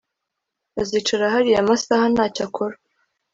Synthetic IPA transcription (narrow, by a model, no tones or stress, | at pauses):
aziːt͡ʃaɾaɦaɾijamasahanaːcakʰoɾa